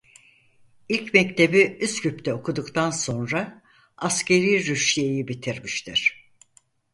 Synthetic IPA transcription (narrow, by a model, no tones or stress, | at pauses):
ilʲcmɛct̪ʰe̞biyscypt̪ʰɛokʰud̪ukt̪ʰanso̞nɾa | asce̞ɾiːɾyʃʲijejibit̪ʰiɾmiʃt̪ʰiɾ̥